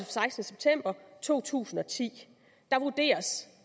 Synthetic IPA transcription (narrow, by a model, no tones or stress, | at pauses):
sɑ̈ɪsd̥nəseb̥̚t͡sʰem̰b̥ɐt͡sʰo̝̰ːt͡sʰṵːsn̩ɒ̽t͡sʰḭː | d̥ɑ̈ʋud̥e̝̰ːɐs